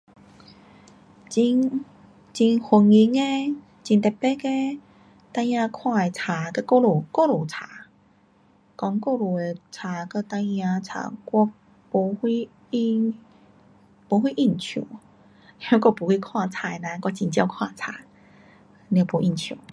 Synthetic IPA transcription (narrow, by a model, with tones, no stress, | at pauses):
t͡ɕi˧ŋ | t͡ɕi˧ŋhu˧˩ŋi˧˦ŋe˧ | t͡ɕi˨˧nt̪e˨˩pe˦ke˦ | t̪ã˧jjã˧kʰwã˥˧e˨˩t͡sʰa˨˩kə˧ko˧lu˨˩ko˥˧˨lu˨˩t͡sʰa˨˦ | kɔ˧˦ŋko˥˧lu˨˩e˨˧t͡sʰa˨˦kə˧t̪ã˧jjã˧t͡sʰa̰˨˧˩kwɔ˧ | pu˧˦hi˧ | po˧˦ɦwi˦˧ʔi˥˧˩nt͡ɕʰjṵ˨˩˦ | õ˦˧˦kʷɔ˧˩pu˨˦hwi˦˧kʰwã˥˧˨t͡sʰa˧˩e˧nã˧˦˧kɔ˧t͡ɕi˧˩nt͡ɕja˧wkʰwã˥˧˨t͡sʰa̰˨˦ | n˧˩pu˨˧˦ʔi˧˩nt͡ɕʰju˨˩˦